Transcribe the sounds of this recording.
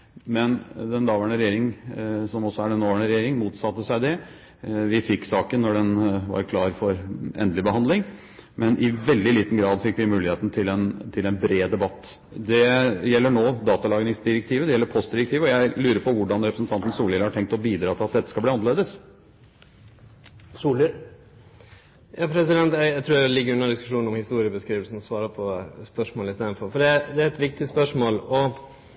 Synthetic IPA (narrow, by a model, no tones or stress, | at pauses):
mɛnd̪ɛnd̪ɑːʋæɳəɾɛjeːɾɪŋsɔmɔsɔæɖɛnoːʋæɳəɾɛjeːɾɪŋmuːt̪sɑt̪ːəsæɪd̪ɛ | ʋɪfɪkːsɑːkənːɔɖɛnʋɑ̰ɾkʰlɑːɾfɔɾɛ̰nd̪lɪbəhɑnd̪lɪŋ | mʔɛnʔɪʋɛld̪ɪliːt̪n̩ɡɾɑːd̪fɪkːʋɪmʉːlɪeːt̪n̩t̪ʰɪlɛnt̪ʰɪlɛnbɾeːd̪ɛbɑt̪ː | d̪ɛjɛlːəɳoːd̪ɑːt̪ɑlɑːɡnɪŋsd̪ɪɾɛk̚t̪ʰiːʋəd̪ɛjɛlːəɾpʰɔst̪̚d̪ɪɾɛkt̪ʰiːʋəɔjæɪlʉːɾəpʰɔʋʊɖɑnɾɛpɾəsnt̪ʰɑnt̪n̩suːlɪləhɑʈʰɛŋk̚t̪ɔbiːd̪ɾɑːt̪ʰɪlɑt̪̚d̪ɛt̪ːəskɑlb̪iːɑnəɭeːd̪əs | suːlɪ | jɑːpʰɾɛsɪd̪ɛnt̪jæɪæɪt̪ɾuːɾlɪɡəɾʉnːəɖ̪ɪskʉ̥ʂuːnn̩ɔmhɪst̪uːɾɪəbəskɾiːʋəlsn̩ɔsʋɑːɾəpʰɔspœʂmoːləɪst̪eːnfɔɾfɔɖɛd̪ɛæɾɛt̪ʋɪk̚t̪ɪspœʂmoːlɔ